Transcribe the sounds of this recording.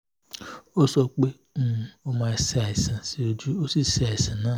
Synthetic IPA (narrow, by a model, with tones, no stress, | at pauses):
o˦sɔ˧k͡pẽ˦˨ | o˦mã˧˨sa˨i˨sĩ˨si˦o˧d͡ʒu˦o˦si˦˨sa˨i˨sĩ˨nãː˦˨